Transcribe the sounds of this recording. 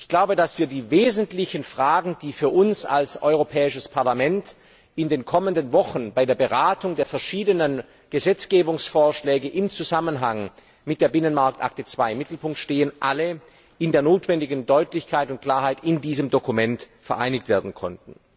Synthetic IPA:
ʔɪçɡ̥laʊbədasv̥iːɐdiːveːzn̩tlɪçənfʁ̥aːɡŋ̩d̥iːfyːɐʔʊnsa̰lsʔɔ̰ʏʁ̞opʰɛːɪʃəspʰaɐlamɛnt | ɪndeːnkʰɔməndənvɔxn̩baɪdeːɐbəʁaːtʰʊŋdeːɐfɛɐʃiːdənən | ɡ̥əzɛt͡sɡ̥eːbʊŋsfoːɐʃlɛːɡəʔɪmt͡suzamənɦaŋ | mɪt̚d̥eːɐbɪnənmaɐk̚tʔa̰k̚tət͡sv̥aɪɪmːɪtl̩pʊŋk̚tʃteːənʔalə | ɪndeːɐnoːtv̥ɛndɪɡən̩dɔʏtlɪçkʰaɪtʊnt̚kl̥aːɐɦaɪtɪndiːzəmdokumɛntfɛɐʔaɪnɪk̚tv̥eːɐdn̩kʰɔ̰ntn̩

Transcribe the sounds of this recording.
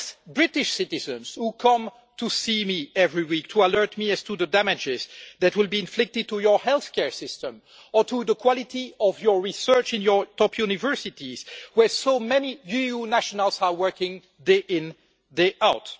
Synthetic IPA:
sbɹɪtɪʃsɪtɪzə̃nz̥hukʰʌ̃m | tʰusimiɛvɹiwiktʰualɜ˞tmiæz̥tuðədæmɪd͡ʒɪzðætwɪlˠbiɪ̃nflɪk̚tɨd̚tujə˞hɛlˠθkɛɹsɪstə̃m | ə˞tʰuðəkʰw̥ɔlɪtiɔvjɔ˞ɹisɜ˞t͡ʃɪ̃njə˞tɔpʰjunɪvɜ˞sɪtiz̥wɛ˞somɛnijujunæʃɔnəlˠzawɜ˞kɪ̃ŋ | deʔɪ̃n | deʔaʊt

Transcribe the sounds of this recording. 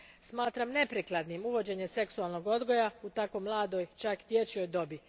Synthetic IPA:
smaːt̪ɾamne̞pɾiklˠad̪nimuʋo̞d͡ʑe̞ɲe̞se̞ksualˠno̞ɡo̞d̪ɡo̞jaut̪akomlˠaːd̪o̞jt͡ʃakd̪̥ʲje̞t͡ɕijo̞jd̪o̞bi

